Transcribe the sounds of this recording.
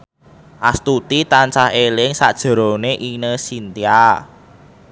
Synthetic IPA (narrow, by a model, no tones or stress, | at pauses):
ʔast̪ut̪it̪ant͡ʃaɦelɪŋsaʔd̥ʒ̥ə̤ɾoneʔinəsint̪ia